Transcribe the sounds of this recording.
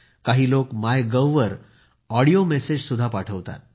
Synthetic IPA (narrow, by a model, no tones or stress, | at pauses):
kaɦiːlokmajɡəwʋəɾ | ɔɽijomɛsed͡ʑsud̪ʱːapaʈʰəʋt̪a̰t̪̚